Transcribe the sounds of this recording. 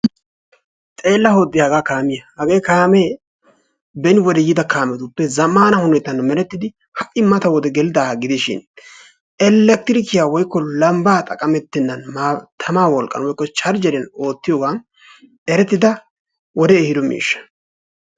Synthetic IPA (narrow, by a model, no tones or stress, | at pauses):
t̪ʼe̞ːlːɐhoːd̪ːɪhɐɡaːkaːmɪjɐhɐɡe̞ːkaːme | bɛnɪwɔd̪ɛjɪd̪ɐkaːmɛt̪ʊpːɛzɐmaːnɐhʊnɛt̪ːɐnːmɛɾɛt̪ːɪd̪ɪ | hɐʔɪmɐt̪ɐwɔd̪ɛɡɛlɪd̪aːɡɪd̪ɪʃɪ̰n | ɛlːɛk̚t̪ɪɾɪkɪjaːwɔjkːɔlɐmbaːt̪ʼɐkʼɐmɛt̪ːɪnːɐnmaːt̪ʰɐmaːwɔlkʼːɐ̰nwɔjkːɔt͡ʃɐɾd͡ʒɛɾɛno̞ːt̪ːɪjoːɡan | ɛɾɛt̪ːɪd̪ɐ | wɔd̪ɛːhɪd̪ɔmḭːʃːɐ̥